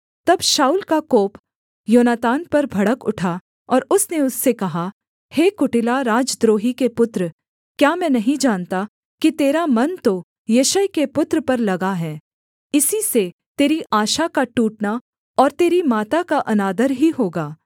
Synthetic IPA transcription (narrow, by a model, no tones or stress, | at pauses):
t̪ɐbʃaːuːlkakoːp | joːnaːt̪aːnpɐɾbʱɐɽəkʊʈʰa | ɔːɾʊsneʊsːekɐɦa | heːkʊʈɪlaɾaːd͡ʒd̪ɾoːɦikepʊt̪ɾ | kjaːmɛ̃ːnɐɦĩd͡ʒaːnt̪a | kit̪eːɾamɐnt̪o | jɐʃəjkepʊt̪ɾəpɐɾlɐɡaɦɛː | ɪsise | t̪eːɾiʔaːʃakaʈuːʈna | ɔːɾt̪eːɾimaːt̪akaʔɐnaːd̪əɾɦiɦoːɡaː